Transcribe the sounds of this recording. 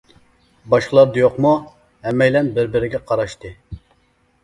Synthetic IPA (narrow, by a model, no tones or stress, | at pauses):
bɑʃqəlˠɑɾd̪ɑjoqmu | hɛmːɛjlɛnbɪɾbɪɾɪɡʲɛqʰɑɾɑʃt̪ɨ